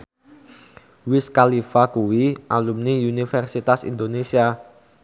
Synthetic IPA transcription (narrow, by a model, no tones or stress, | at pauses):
wɪskalifakuwiʔalumniunifɛrsit̪asḭnd̪onesia